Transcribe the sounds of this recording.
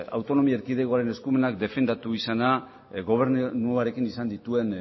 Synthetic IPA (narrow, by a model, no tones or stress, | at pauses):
a̰wt̪o̞no̞miaeɾkið̞eko̞aɾe̞ne̞skume̞nakd̪e̞fe̞nd̪at̪uisana | ɣo̞β̞e̞ɾnnuaɾe̞kinisand̪it̪ue̞n